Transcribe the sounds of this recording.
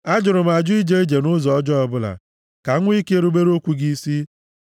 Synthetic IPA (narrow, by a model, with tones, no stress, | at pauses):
a˦d͡ʒʊ˨ɾʊ˨m̩˨a˨d͡ʒʊ˦i˦d͡ʒe˦e˦d͡ʒe˨nʊ˦zɔ˨ɔ˦d͡ʒɔ˦ɔ˨bʊ˦la̰˨ | ka˨˦ŋʷ˦i˦ke˦e˦ɾu˦be˦ɾo˦kʷu˦ɡi˦i˦si˦